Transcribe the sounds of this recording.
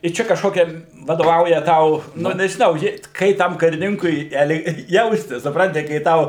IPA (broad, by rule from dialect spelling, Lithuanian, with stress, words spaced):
ɪ ˈt͡ʃʲɛ kɐʃˈkoːkʲɛ ʋɐdoːˈʋɐʊjɛ ˈtɐʊ nʊ nʲɛʒʲɪˈnɐʊ ʒʲuːˈrʲeːt ˈkɐɪ tɐm kɐrʲɪˈnʲɪŋkʊɪ ɛlˠ ˈjɛʊsʲtʲɪs sʊpˈrɐnʲtʲɪ kɐɪ ˈtɐʊ